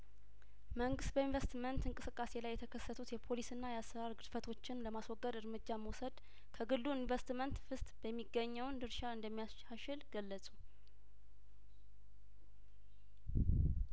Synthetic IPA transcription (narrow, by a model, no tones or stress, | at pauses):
məŋɡɨst̪̚bəinvəst̪mənt̪ɨŋkʼɨsɨkʼːase̞lajːɛt̪ʰəkʰəsːət̪ʰut̪jɛpʰo̞lisɨnːajɛasːəɾaɾɡɨd̪fət̪ʰo̞t͡ʃːɪnləmaswɔɡːəd̪ɨɾmɨd͡ʒːaməwsəd̪ | kʰəɡɨlːuinvəst̪mənt̪fɨst̪ʼb̥əmːiɡːəɲːəwnd̪ɨɾʃaɨnd̪əmːija | aʃɪlɡ̥əlːəsʼu